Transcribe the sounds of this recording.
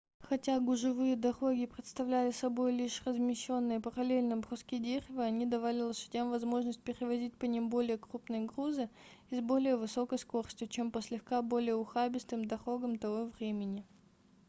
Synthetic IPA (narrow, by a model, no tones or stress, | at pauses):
xɐtʲaɡʊʐɨvɨjəd̪ɐɾo̞ɡʲɪpɾʲɪt̪st̪ɐvlʲælʲɪsɐbo̞jlʲiʂrəzmʲɪɕːo̞nːɨjəpəɾɐlʲelʲnɨbrʊskʲidʲeɾʲɪvɨɐnʲid̪ɐvalʲɪlˠəʃɨ̥tʲamvɐzmo̞ʐnəsʲt̚ʲpʲɪɾʲɪvɐzʲit̚ʲpənʲimbo̞lʲɪjəkrupnɨjəɡruzɨɪzbo̞lʲɪjəvɨso̞kəjsko̞rsʲtʲʊt͡ɕe̞mpəsʲlʲɪxkabo̞lʲɪjəʊxabʲɪst̪ɨmd̪ɐɾo̞ɡəmt̪ɐvo̞vɾʲemʲɪnʲɪ